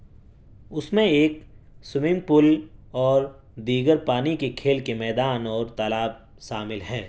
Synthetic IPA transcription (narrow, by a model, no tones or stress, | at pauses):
ʊsmẽeːksʊmɪ̃mpʊlɔːɾ | d̪iːɡəɾpaːnikekʰeːlkemɛːd̪aːnɔːɾt̪aːlaːb̚ | ʃaːmɪlɦɛː